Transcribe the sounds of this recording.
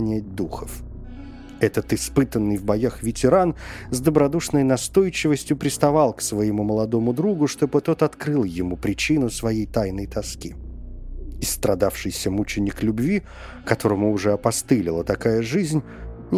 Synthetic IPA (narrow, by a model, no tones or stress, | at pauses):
nʲæt̚ʲd̪uxəf | ɛt̪ət̪ɨspɨt̪ənːɨjvbɐjaxvʲɪtʲɪɾanzd̪əbɾɐd̪uʂnəjnɐst̪o̞jt͡ɕɪvəsʲtʲjʊpɾʲɪst̪ɐvɑlˠksvəjɪmuməlˠɐd̪o̞mʊd̪ɾuɡʊʂt̪o̞bɨt̪o̞t̪ɐt̪kɾɨlˠjɪmupɾʲɪt͡ɕinʊsvɐjejt̪ajnəjt̪ɐskʲi | ɪst̪ɾɐd̪afʂɨjsʲəmut͡ɕɪnʲːɪklʲʊbvʲi | kɐt̪o̞ɾəmʊːʐɛɐpɐst̪ɨlʲɪlˠət̪ɐkajəʐɨzʲnʲ | nʲ